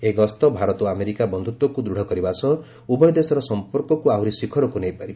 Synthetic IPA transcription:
eɡɔst̪ɔbʱaɾɔt̪ɔameɾikabɔnd̪ʱut̪wɔkud̪ɾuɽ̤ʱɔkɔɾibasɔ | ubɔjɔd̪esɔɾɔsɔmpɔɾkɔkuawɾisikʰɔɾɔkunejpaɾib

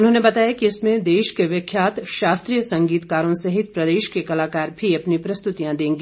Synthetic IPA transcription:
ʊnɦõːnebɐt̪aːjakiɪsmẽd̪eːʃkeʋjɐkʰjaːt̪ʃaːst̪ɾijəsɐ̃ŋɡiːt̪kaːɾõsɐɦɪt̪̚pɾɐd̪eːʃkekɐlaːkaːɾbʱiɐpnipɾɐst̪ʊt̪ijãd̪ẽːŋɡe

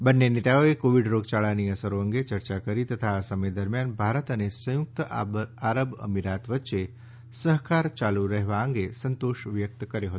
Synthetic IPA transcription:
bənːenet̪aoekoʋiɖɾoɡt͡ʃaɭaniəsəɾoəŋɡet͡ʃəɾt͡ʃakəɾit̪ət̪ʰaːsəməjd̪əɾmjanbʱaɾət̪ənesəjʊk̚t̪aɾəbə̰miɾat̪ʋətːʃe | səɦkaɾt͡ʃaluɾəɦʋaəŋɡesənt̪oʃʋjək̚t̪kəɾjoɦət̪

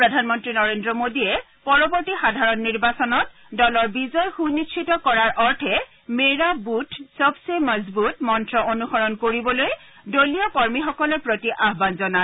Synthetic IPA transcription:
pɹɔdʱanmɔntɹinɔɹendɹɔmodiɛ | pɔɹɔbɔɹtixadʱaɹɔnːiɹbasɔnɔt | dɔlɔɹbizɔjxunit͡ʃʰitɔkɔɹaɹʔɔɹtʰɛ | meɹabutʰsɔbseməzbutmɔntɹɔʔonuxɔɹɔnkoɹibɔloj | doliɔkɔɹmixɔkɔlɔɹpɹotiʔaɦbanzɔnat

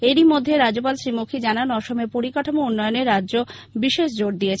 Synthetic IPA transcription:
eɾimod̪ʱːeɾad͡ʑop̬alʃɾimokʰid͡ʑananɔʃomepoɾikaʈʰomounːɔjoneɾadːd͡ʑobiʃeʃd͡ʑoɖ̚d̪iet͡ɕʰ

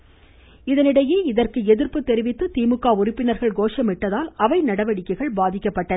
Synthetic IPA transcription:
ɪðɐnɪɽɐjeːɪðɐrkɯɛðɪrpɯt̪ːɛɾɪʋɪt̪ːɯt̪iːmɯkːaːʊrɪpːɪnɐɾɣɐɭɡoːʂɐmɪʈːɐðaːlɐʋɐɪnɐɽɐʋɐɽɪkːɐɪɣɐɭbaːðɪkːɐpːɐʈːɐ

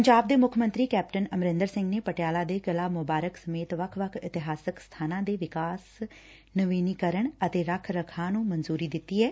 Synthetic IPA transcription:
pəɲd͡ʒaːb̚d̪eːmʊkʰmə̃nt̪ɾiːkɛːp̚ʈənəmɾɪ̃nd̪əɾsɪ̃ŋɡneːpəʈɪjaːlaːd̪eːɡəlaːmʊbaːɾəksəmeːt̪ʋəkʰʋəkʰɪt̪ɪɦaːsəkst̪ʰaːnãːd̪eːʋɪkaːs | nəʋiːniːkəɾəɳət̪eːɾəkʰɾəkʰãːnũːmənzuːɾiːd̪ɪt̪ːiːɦɛː

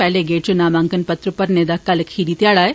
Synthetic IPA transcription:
pɛleɡeːt͡ɕunaːmãŋkənpət̪ɾəpəɾned̪akːaːləkhiɾiːt̪jaːɭaːj

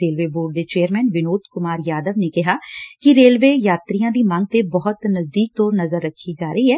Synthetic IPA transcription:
eːlʋeːboːɖ̚d̪eːt͡ʃeːəɾmɛːnʋɪnoːt̪kʊmaːɾjaːd̪əʋnekɪɦaːkiɾeːlʋeːjaːt̪ɾijãːd̪iːmãːŋɡ̚t̪ebɔɦʊt̪nəzd̪iːk̚t̪ɔːɾnəzəɾːəkʰːid͡ʒaːɾəiɦɛː

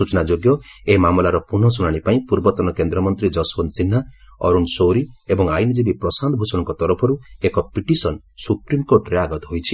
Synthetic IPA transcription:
ut͡ʃnad͡ʒoɡjɔemamɔlaɾɔpuɳɔs̬unaɽ̃ipaĩpuɾbɔt̪ɔnɔkend̪ɾɔmɔnt̪ɾid͡ʒɔsbɔnsin̤ːaɔ̰ɾunsowɾiebɔŋajnid͡ʒibipɾɔsand̪bʱusɔ̃ɔŋkɔt̪ɔɾɔpʰɔɾuekɔpiʈisɔn | supɾimkoɾʈɾeaɡɔt̪ɔɦojt͡ʃʰi

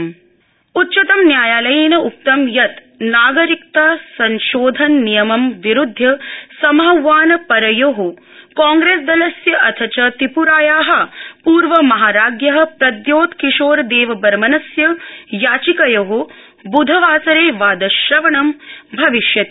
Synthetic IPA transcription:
utːt͡ʃɐt̪ɐmnjaːjaːlɐjiːnɐuk̚t̪ɐmjɐt̪ | naːɡɐɾik̚t̪aːsɐnʃoːd̪ʱɐnːijɐmɐmʋiɾud̪ʱːjɐsɐmawːaːnɐpɐɾɐjoːɦo | kaːŋɡɾeːsd̪ɐlɐsjɐʔɐt̪ʰɐt͡ʃɐt̪ipuɾaːjaːɦɐ̆puːɾʋɐmɐɦaːɾaːɡjɐɦɐ̆pɾɐd̪joːt̪kiʃoːɾd̪eːʋɐbɐɾmɐnɐsjɐjaːt͡ʃikɐjoɦo | bud̪ʱɐʋaːsɐɾeːʋaːd̪ɐʃɾɐʋɐɳɐmbʱɐʋiʃjɐt̪ː

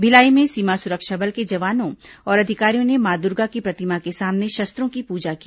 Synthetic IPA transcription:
bʱɪlaːimẽsiːmasʊɾəkʃabɐlked͡ʒɐʋaːnõɔːɾɐd̪ʱɪkaːɾijõnemaːd̪ʊɾɡakipɾɐt̪ɪmakesaːmneʃɐst̪ɾõkipuːd͡ʒakiː

